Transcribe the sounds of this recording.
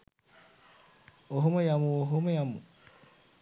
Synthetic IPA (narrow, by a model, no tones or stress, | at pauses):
oɦomojamuoɦomojamu